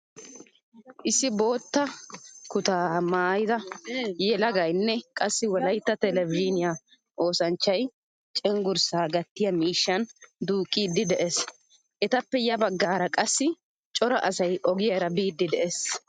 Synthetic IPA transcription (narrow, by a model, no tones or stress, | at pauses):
ʔɪsːɪbo̞ːt̪ːɐkʊt̪aːmaːjɪd̪ɐjɛlɐɡɐjnːɛkʼɐsːɪwɔlɐjt̪ːɐt̪ɛlɛviːnɪja | ʔo̞ːsɐnt͡ʃːɐj | t͡ʃʼɛŋɡʊɾsaːɡɐt̪ːɪjɐmiːʃːɐnd̪uːkʼːiːd̪ːɪd̪ɛʔes | ʔɛt̪ɐpːɛjɐbɐɡːaːɾɐkʼɐsːɪ | t͡ʃʼɔɾɐʔɐsɐjʔɔɡɪjɐɾɐbiːd̪ːɪd̪ɛʔes